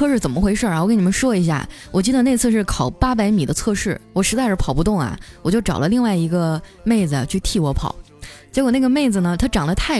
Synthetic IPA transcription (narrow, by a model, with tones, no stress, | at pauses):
ɤ˥˧ʂɻ̩˥˩t͡sə˨˩nmə˦xwe˧˥ɪʂə˞˥˩˨kə˥n˨˩mə˦ʂwɔ˥i˧˥ɕ̬ja̰˥˩ | wʔɔ˨˩t͡ɕi˥˩d̪ə˩ne˥˧ɪt͡sʰɹ̩˥˧ʂɻ̩˥˩kʰɑ˨˩ʊpa˥p̬a˧˥ɪmi˨˩d̪ə˦t͡sʰɤ˥˧ʂɻ̩˥˩wɔ˨˩ʂɻ̩˧˥t͡sa˥˧ɪʂɻ̩˥˩pʰɑ˨˩ʊpu˧t̪ʊ˥˩ŋɐ̰˩wɔ˨˩t͡ɕjo˥˩ʊʈ͡ʂɑ˨˩ʊlə˦li˥˧ŋwa˥˩ɪi˧˥ɡə˧me˥˩ɪd͡zɹ̩˩a̰˩t͡ɕʰy˥˧t̪ʰi˥˩wɔ˧˥pʰɑ̰˨˩˦ | t͡ɕjɛ˧˥kwɔ˨˩na˥˩ɡə˩me˥˩ɪd͡z̩˩nə˩t̪ʰa˥ʈ͡ʂɑ˨˩ŋd̪ə˦t̪ʰa˥˩